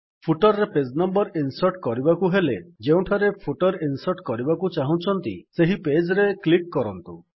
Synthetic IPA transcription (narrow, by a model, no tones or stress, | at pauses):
pʰuʈɔɾɾeped͡ʒnɔmbɔɾinsɔɾʈkɔɾibakuɦeled͡ʒeũʈʰaɾepʰuʈɔɾinsɔɾʈkɔɾibakut͡ʃaɦũt͡ʃʰɔnt̪ḭseɦiped͡ʒɾeklikːɔɾɔnt̪u